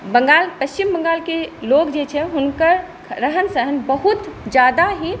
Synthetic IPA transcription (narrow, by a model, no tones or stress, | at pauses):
bəŋɡalpəst͡ʃimbə̃ŋɡaːlkelokd͡ʒet͡ʃʰɛɦunkəɾ | ɾəɦənsəɦənbəɦut̪d͡ʒjaːd̪aɦi